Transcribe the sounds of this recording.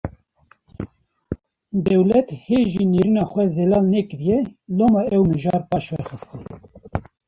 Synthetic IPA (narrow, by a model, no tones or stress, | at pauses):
d̪ɛwlɛt̪heːʒiniɾinɑxʷɛzelɑːlnɛkɨɾijɛloːmɑɛwmɨʒɑːɾpɑːʃvɛxɨst̪ɨn